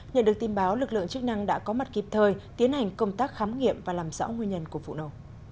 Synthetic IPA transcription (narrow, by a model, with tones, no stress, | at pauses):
ɲə̰˧˨nɗɨ˨˩ək̚t̪i˧nɓaː˨˦wlɨ˨˩k̚lɨ̰˧˨əŋt͡ɕɨ˦˥k̚na˧ŋɗa̰ː˧˥kɔ˨˦ma˨˩t̚ki˨˩p̚t̪ʰəː˧jt̪i˨˦ənha˨˩jŋ̟kə˧wŋ͡mt̪aː˦˥k̚xaː˨˦mŋḭ˧˨əmvaː˨˩laː˨˩mz̰ːwŋwi˧ənɲə˧nku˧˩əfṵ˧˨no̰˧˩˨